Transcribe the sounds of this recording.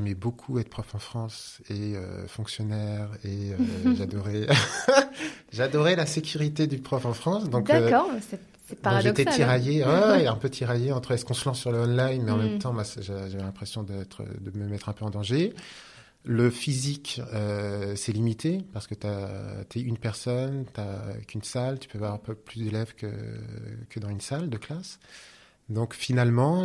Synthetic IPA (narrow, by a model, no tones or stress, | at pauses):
ɛmɛbokʰuɛt̪χpχɔfɑ̃fχɑ̃s | eø̰fɔ̃ksjɔnɛʁeøʒad̪ɔʁɛ | ʒad̪ɔʁɛlasekʲyʁit̪ed̪ypχɔfɑ̃fχɑ̃sd̪ɔ̃kø | sɛdaɔ̃ʒet̪ɛt̪iʁajewɛɛ̃pøt̪ʰiʁajeɑ̃t̪χəɛskɔ̃səlɑ̃ssyʁləɔnlajnmɛɑ̃mɛmt̪ɑ̃mwasʒaəʒavɛlɛ̃pχesjɔ̃d̪ɛt̪χə̰d̪əməmɛt̪χɛ̃pøɑ̃d̪ɑ̃ʒe | ləfizikøsɛlimit̪ʰepaʁsə̥kət̪at̪yɛynpɛʁsɔnt̪ya̰kʰynsalt̪y̥pøavwaʁpplysd̪elɛvkə̰ | kəd̪ɑ̃zynsald̪əklas | d̪ɔ̃kfinalmɑ̃